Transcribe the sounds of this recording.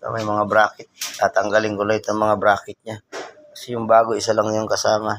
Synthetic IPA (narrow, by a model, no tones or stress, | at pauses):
ka̰mɐjmɐŋabɾaːkɪt̪̚t̪aːt̪ɐŋɡalɪŋkʊlat̪ɐŋmɐŋabɾaːkɪt̪̚ɲakɐsɛjʊŋbaːɡoɪsalaŋjoŋkɐsaːma